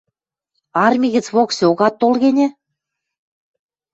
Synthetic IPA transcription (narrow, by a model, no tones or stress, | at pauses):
ɑrmʲiɣɘ̆t͡sβoksoɣɑt̪ːolɣenʲĕ